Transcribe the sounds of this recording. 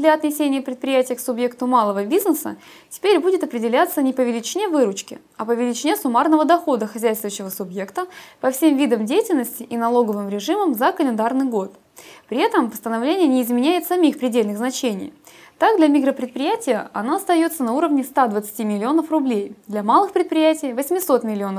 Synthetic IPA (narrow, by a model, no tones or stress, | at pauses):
d̪lʲɐɐt̪nʲɪsʲenʲɪjəpɾʲɪt̪pɾʲɪjætʲɪjəksʊbje̞kt̪ʊmalˠəvəbʲiznəsə̰ | tʲɪ̥pʲeɾʲbudʲɪt̪ɐpɾʲɪdʲɪlʲat̪sənʲɪpəvʲɪlʲɪt͡ɕɪnʲe̞vɨɾʊt͡ɕkʲɪ̰ | ɐpəvʲɪlʲɪt͡ɕɪnʲesʊmarnəvəd̪ɐxo̞d̪əxɐzʲæjst̪vəɕːɪvəsʊbje̞kt̪əpɐfsʲe̞mvʲid̪əmdʲejɪtʲɪlʲnəsʲtʲɪʔinɐlˠo̞ɡəvɨmɾʲɪʐɨməmzəkəlʲɪnd̪arnɨjɡo̞t̪ | pɾʲɪɛt̪əmpəst̪ənɐvlʲenʲɪjənʲɪːzmʲɪnʲæjɪt̪sɐmʲixpɾʲɪdʲelʲnɨɣznɐt͡ɕenʲɪ̰j | t̪aɡ̚d̪lʲɐmʲɪɡɾəpɾʲɪt̪pɾʲɪjætʲɪjəɐ̰noɐst̪ɐjo̞t̪sənɐuɾəvnʲɪst̪ad̪vət̪sɨ̥tʲimʲɪlʲɪo̞nəfrʊblʲejd̪lʲɐmalˠɨxpɾʲɪt̪̚pɾʲɪjætʲɪjvəsʲmʲɪso̞t̪mʲɪlʲɪo̞nə